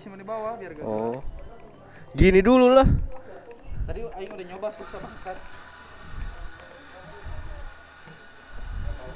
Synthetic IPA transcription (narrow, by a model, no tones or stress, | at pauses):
simanibawabiarɡaɔ | ɡinidululah | t̪adiaiŋudɛɲobasusabaŋsat̪̚